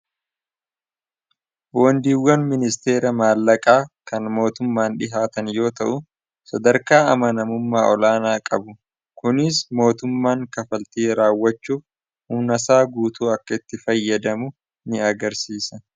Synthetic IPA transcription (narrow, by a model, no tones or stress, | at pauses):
boːnd̪iːwːɐnmɪnɪst̪e̞ːɾɐmaːlːɐkʼaːkɐnmo̞ːt̪ʊmːaːnᶑɪɦaːt̪ɐnjo̞ːt̪ɐʔʊ | sɐd̪ɐɾkaːɐmɐnɐmʊmːaːʔɔlaːnaːkʼɐbʊ | kʊnɪsmo̞ːt̪ʊmːaːŋkɐfɐlt̪eːɾaːwːɐt͡ʃːuːf | hʊmnɐsaːɡuːt̪uːɐkːɐɪt̪ːɪfɐjːɐd̪ɐmʊ | nɪɐɡɐɾsiːsɐ